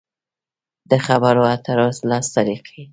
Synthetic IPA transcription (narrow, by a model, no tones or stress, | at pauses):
d̪əxabaɾoat̪aɾoslɑst̪aɾiqʰi